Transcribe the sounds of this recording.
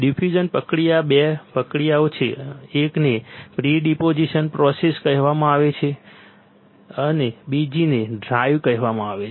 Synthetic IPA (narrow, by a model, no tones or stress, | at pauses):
ɖipʰud͡ʒənpəkɽijabepəkɽijaot͡ʃʰeːknepɾiɖipod͡ʒiʃənpɾɔseskəɦʋamãaʋet͡ʃʰe | ənebid͡ʒineɖɾajʋkəɦʋamãaʋet͡ʃʰ